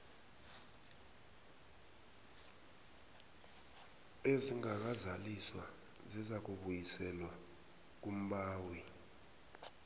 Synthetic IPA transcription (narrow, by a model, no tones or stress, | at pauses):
eziŋak̬azaliswa | zizak̬uɓujisɛlwa | k̬um̩ɓaːwi